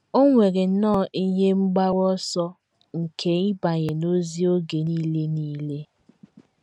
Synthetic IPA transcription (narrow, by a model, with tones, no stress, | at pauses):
o˦ŋʷe˨ɾe˨n̩˦nɔː˦˨ʔi˦ɲe˦ŋ͡m̩˦ɡ͡ba˦ɾɔ˦sɔ˦ | ŋ̩˨kʰe˨i˦ba˨ɲe˨no˦zi˦o˦ɡe˨niː˦le˦niː˦le˦